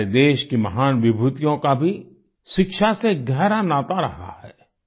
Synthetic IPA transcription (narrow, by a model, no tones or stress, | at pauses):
ed̪eːʃkimɐɦaːnʋɪbʱuːt̪ijõkabʱi | ʃɪkʃaseɡʱɛɦɾanaːt̪aɾɐɦa̰ɦɛ̰ː